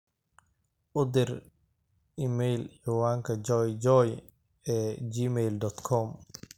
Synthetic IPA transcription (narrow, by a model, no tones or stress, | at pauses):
ʔʊd̪ɪr | ɪmɛjlħiːwaːŋkʰɐd͡ʒɔjd͡ʒɔj | ɛːd͡ʒiːmɛjld̪ɔt̪kʰɔm